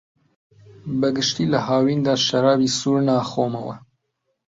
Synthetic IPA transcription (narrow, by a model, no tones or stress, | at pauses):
bɐɡɨʃt̪iːləɦɑːwiːnd̪ɑːʃɐɾɑːbiːsuːɾnɑːxoːmɐwɛ̰